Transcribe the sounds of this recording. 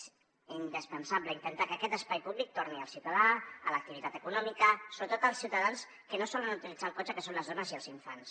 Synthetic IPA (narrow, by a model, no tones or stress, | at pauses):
z | ind̪əspənsabləint̪ənt̪akəːkɛt̪əspajpuβlik̚t̪orniəlˠsiwt̪əðaələk̚t̪iβit̪at̪əkunɔmikəsoβɾət̪ot̪əlˠsiwt̪əðans | kənosɔlənut̪ilid͡zalˠkɔt͡ʃəkəsonləzðɔnəziəlˠziɱfans